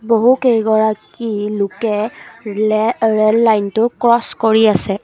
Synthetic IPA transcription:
boɦukejɡɔɹakilʊkɛ | ɹɛlːajntʊkɹɔskoɹiasɛ

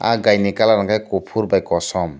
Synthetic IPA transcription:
a̰ɡajnikalaɾɔŋkajkopʰuɾbajkɔsɔm

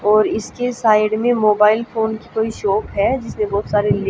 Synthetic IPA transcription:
ɔːɾɪskesaːɪɖmẽmoːbaːɪlfʰoːnki̥koːiʃɔːpɦɛd͡ʒɪsnẽbɔːt̪saːɾel

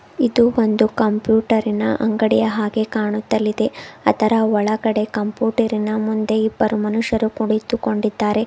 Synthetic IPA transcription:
id̪uo̞nd̪ukɐmpjuːʈɐɾinɐʔɐŋɡɐɽijɐɦaːɡe̞kaːɳut̪ːɐlːid̪e̞ɐt̪ʰɐɾɐɔɭɐɡɐɽe̞kɐmpjuːʈɐɾinɐmund̪e̞ibːɐɾumɐnuʂjɐɾukuɽit̪ːuko̞ɳɖid̪ːaːɾe̞

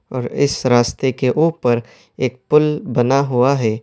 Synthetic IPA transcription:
ɔːɾɪ̰sɾaːst̪ekeʔuːpəɾ | eːk̚pʊlbɐnaɦuaɦɛː

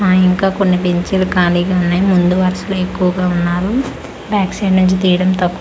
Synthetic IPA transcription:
aiŋkaːkonːipeɲt͡ʃilukaːliːɡaːunːaːjimund̪uʋɐɾɐsɐloːe̞kːuʋɐɡaːunːaːɾu | bjaːkseːɖnuɲt͡ʃit̪iːjɐɽɐmt̪ɐkːu

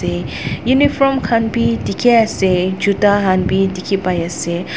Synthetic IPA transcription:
e | junifɾɔmkʰãnbidikʰiased͡ʒud̪aɦanbidikʰipajase

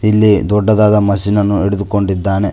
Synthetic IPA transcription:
ilːid̪ɔɖːɐd̪aːd̪ɐmɐsinɐnːueɽud̪uko̞ɳɖid̪ːaːne̞

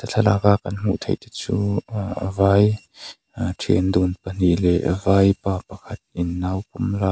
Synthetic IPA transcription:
t̪ət͡ɬʰalakaʔkɐnm̥ṵʔt̪ʰḛjt̪ɛt͡suːʔəvaj | tʰḭənd̪unpən̥iʔlɛ̰ʔəvajpaːpɐkʰɐt̪̚ʔinːawk̚ɔmla

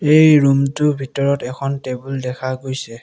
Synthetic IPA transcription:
ejɹumtʊbʱitɔɹɔtɛkʰɔntebuldɛkʰaɡojsɛ

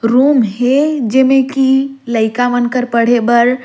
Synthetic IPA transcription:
ɾumɦed͡ʒemekiləɪkamənkəɾpəɽ̤ebəɾ

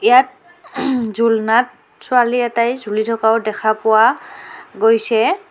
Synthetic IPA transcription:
ijat̚ | zulnat̚ | sʊaliɛtajzʱulitʰɔkaʊdɛkʰapʊwa | ɡojsɛ

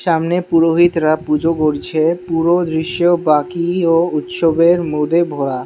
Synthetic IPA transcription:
ʃamnepuɾoɦit̪ɾapud͡ʑokoɾt͡ɕʰepuɾod̪ɾiʃjobakiout̪ʃobeɾmud̪ʱebʱoɾa

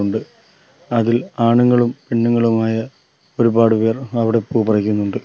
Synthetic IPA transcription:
uɳɖɨ | ɐðilaːɳuŋːɐɭumpiɳːuŋːɐɭumaːjɐ | o̞ɾubaːɽupe̞ːrɐʋiɽe̞pːuːbɐrɐk̬ʲːunːuɳɖɨ

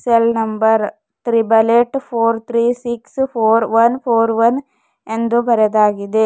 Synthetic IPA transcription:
selnɐmbɐɾ | t̪ɾibɐleʈpʰoːɾt̪ʰɾiːsikspʰoːɾʋɐnpʰoːɾʋɐn | e̞nd̪ubɐɾɐd̪aːɡid̪e

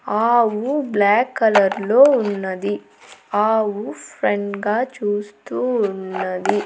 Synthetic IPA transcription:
aːwublaːkːɐlɐɾloːunːɐd̪i | aːwupʰɾeɳɖɡaːt͡ʃuːst̪uːnːɐd̪i

